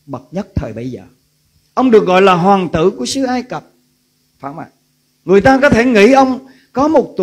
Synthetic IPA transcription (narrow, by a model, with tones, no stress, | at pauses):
ɓə˨˩t̚ɲə˦˥t̚t̪ʰəː˨˩jɓə˧jzə̰ː˨˩ | ʔə˧wŋ͡mɗɨ˨˩ək̚ɣɔ̰˧˨jlaː˨˩ɦwaː˨˩ŋt̪ɨ̰˧˥ku˧˩əsɨ˨˦ʔaː˧jkə˨˩p̚ | faː˧˥ma̰ː˧˨ | ŋɨ˨˩əjt̪aː˧kɔ˨˦t̪ʰe˧˩ŋḭ˧˥ʔə˧wŋ͡m | kɔ˨˦mo˨˩t̚t̪